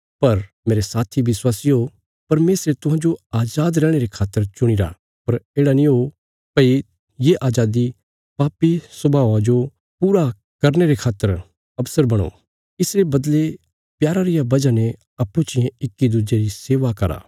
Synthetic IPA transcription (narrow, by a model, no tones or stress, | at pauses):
pɐɾmeːɾesaːt̪ʰiʋɪswaːsiɦo | pɐɾmeːsɾet̪ʊ̃ɦãːd͡ʒoaːd͡ʒaːd̪ɾɛːɽ̃eɾekʰaːt̪ːəɾt͡ʃʊɽ̃ɪɾa̰ | pɐɾeːɽanĩɦo | pɐi | jeʔaːd͡ʒaːd̪i | paːpisɐbʱaːʋãd͡ʒo | puːɾa | kɐɾneɾekʰaːt̪ːəɾ | ɐbsəɾbɐɽ̃o̰ | ɪsɾebɐd̪le | pjaːɾaɾɪjabɐd͡ʒanɛ | ɐpːũt͡ʃɪjẽɪkːid̪ud͡ʒeɾiseːʋakɐɾa̰ː